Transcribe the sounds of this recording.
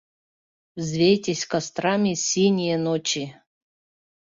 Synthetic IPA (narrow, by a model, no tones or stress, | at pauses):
vzvʲejtʲesʲkɐst̪ɾamʲisʲinʲijɛnot͡ʃi